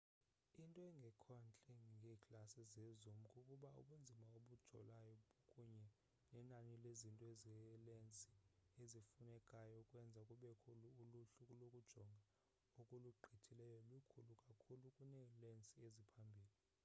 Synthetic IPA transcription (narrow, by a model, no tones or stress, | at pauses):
intʼɔɛŋɡʱɛkʰɔnt͡ɬʼɛŋŋɡʱɛːkʰʼlasizezumukʼukʼuɓaṵɓund͡zʱimaoɓud̥ʒ̥ʱɔ̰lajɔɓokʼuɲɛ | nɛnanilezintʼɔezɛlent͡sʼi̥ezifunɛkʼajɔkʼwɛnd͡zʱakʼuɓɛkʰuluːluɬukʼulokʼud̥ʒ̥ʱɔŋɡʱa | okʼuluɡ͡ǃʱitʰilɛjɔlukʰulukʼakʰulukʼunɛlent͡sʼiezipʰambʱiːli